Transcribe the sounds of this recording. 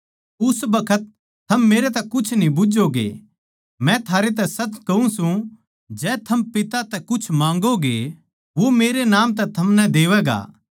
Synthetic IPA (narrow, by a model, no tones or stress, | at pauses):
ʊsbɐkʰət̪̚ | t̪ʰːɐmːeːɾet̪ɛkʊt͡ʃʰnĩbʊd͡ʒoɡḛ | mɛ̃t̪ʰaːɾet̪̬ɛsɐtkɐũsũ | d͡ʒɛːt̪ʰɐmpɪt̪at̪ɛkʊt͡ʃʰmãːŋɡoɡe | ʋomeːɾenaːmt̪̬ɛt̪ʰɐmnɛd̪eːʋɛːɡa̰ː